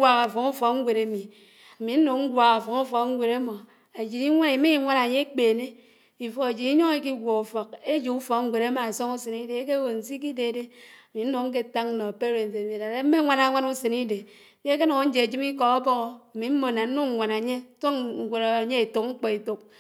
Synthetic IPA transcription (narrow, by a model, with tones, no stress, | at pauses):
a˨ka˨fo˨ŋu˦fɔ˨k̚ŋ̩˦ɡʷe˨ɾe˨˦mi˨ | a˨mi˨n̩˦no˨ŋ̩˦ɡʷa˨ɣa˨fo˨ŋu˦fɔ˨kŋ̩˦ɡʷe˨ɾe˦mo˨ | a˨d͡ʒi˨i˦ŋʷa˦ni˨˦mi˦i˦ŋʷa˦na˨ɲe˦e˦k͡peː˨ne˦ | i˨fo˨e˨d͡ʒi˨i˦ɲo˦ŋe˦ki˦ɡʷo˨u˨fɔ˨k̚e˦d͡ʒi˨u˦fɔ˨kŋ̩˦ɡʷe˨ɾe˦ma˨a˨so˦ŋu˦se˨ni˦de˨˦ke˦wo˨n̩˨si˦k̬i˦de˨de˦a˨mi˨n̩˦no˨ŋ̩˦k̬e˦˨ta˦ŋn̩˦no˨pe˦ɾe˨n˨te˨mi˨da˨de˦m̩˦me˦ŋʷa˨na˦ŋʷa˦nu˦se˨ni˦de˨˦ | ke˦k̬e˦no˨ŋ˦n̩˦d͡ʒe˨e˨d͡ʒi˦mi˦kɔ˨a˦bo˦ɣo˦a˨mi˨m̩˦mo˨na˨n̩˦nu˦ŋ˨ŋʷa˨na˨ɲe˦to˦ŋŋ̩˨ɡʷo˨na˨a˨ɲe˦e˨to˨k̚ŋ͡m̩˦k͡pɔ˨i˨to˨k̚